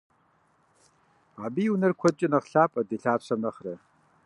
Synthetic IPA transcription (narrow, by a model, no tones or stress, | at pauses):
abiːwnɐrkʷʰɔt͡ʃʼɪnɐʁɬaːpʼɐdeːɬaːɕʰɐmɐχrɐ